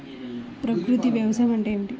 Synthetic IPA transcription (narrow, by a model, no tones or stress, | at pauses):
pɾɐkɾut̪iʋjɐʋɐsajmɐɳʈeɳʈi